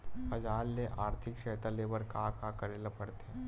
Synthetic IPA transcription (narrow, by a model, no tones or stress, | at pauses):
pɐd͡ʒaːlːeʔaːɾt̪ʰɪkʃɛːt̪aleːbəɾkakakɐɾelapɐɽt̪eɦɛ̃